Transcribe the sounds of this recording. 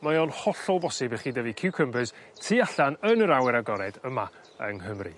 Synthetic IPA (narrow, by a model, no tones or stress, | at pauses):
majɔnhɔɬɔlˠbɔsɪbɛχiːdəvikʰɪwkʰəmbɨztʰiːaɬanənəɾawɛɾaɡɔɾɛdəma | ə̰ŋɦəmrḭ